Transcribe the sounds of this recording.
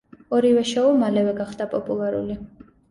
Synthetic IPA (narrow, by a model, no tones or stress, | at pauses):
ɔɾivɛʃɔɔmalɛvɛɡaχd̪apʼɔpʼulˠaɾṵli